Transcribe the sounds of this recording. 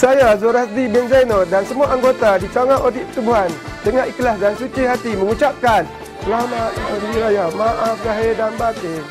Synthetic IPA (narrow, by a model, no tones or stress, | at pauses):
sajazoɾasdibɛnzajnɔdansəmuaʔaŋɡot̪adit̪aŋaʔodiʔpət̪ubuɦant̪əŋaʔikəlasdansut͡ʃiɦat̪iməŋut͡ʃap̚kan | lamaʔiɾajamaʔafɡaɦedanbake